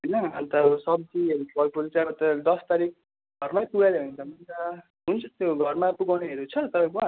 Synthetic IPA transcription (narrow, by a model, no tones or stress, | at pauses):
ɦʌjnʌt̪ʌsʌb̚d͡zieɾuʌlpʰolt͡sãbʌt̪ʌd̪ʌst̪aɾik̚ | ɡʱʌrmajpuɡaleɦunt͡sʰʌmʌnt͡sʌ | ɦunt͡sʰʌt̪joɡʱʌrmapuɡawneɦeɾut͡sʰʌt̪ʌpaj̃kuã